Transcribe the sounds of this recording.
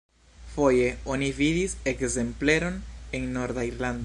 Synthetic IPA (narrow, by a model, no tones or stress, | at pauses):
fo̞je̞o̞nividisekze̞mpleɾo̞nenːo̞ɾd̪aiɾland̪